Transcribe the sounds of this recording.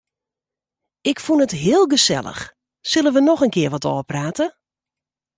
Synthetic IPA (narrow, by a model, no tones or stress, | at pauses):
ɪkfunətɦɪəlˠɡəsɛ̰lˠə̰x | sɵlˠənʋənɔxənkɪəɹʋɔtɔ̰ːəpraːtə